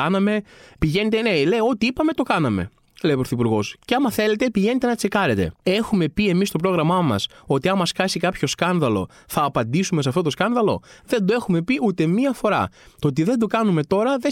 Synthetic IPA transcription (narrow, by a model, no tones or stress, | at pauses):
ɐnɐme̞piʝe̞ne̞t̪enele̞jo̞t̪iipɐme̞t̪o̞kɐnɐme̞̰ | leipɾoθipuɾɣo̞sceɐmɐθe̞le̞t̪e̞piʝe̞ne̞t̪e̞nɐt͡se̞kɐɾet̪e̞̰e̞xume̞pie̞mist̪o̞pɾo̞ɣɾɐmɐmɐ̰so̞t̪iɐmɐskɐsikɐpço̞skɐnðɐlo̞̰ | θɐːpɐnd̪isume̞s̬eɐft̪ot̪skɐnðɐlo̞̰ðe̞nd̪oe̞xume̞piut̪e̞miɐfo̞ɾɐ̰t̪ot̪̬iðe̞nd̪o̞kɐnume̞t̪o̞ɾɐðe